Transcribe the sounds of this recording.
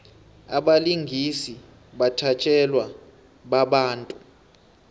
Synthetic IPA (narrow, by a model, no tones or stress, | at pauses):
aɓaliŋɡʱisi | ɓatʰat͡ʃʼɛlwa | ɓaɓaːntʼu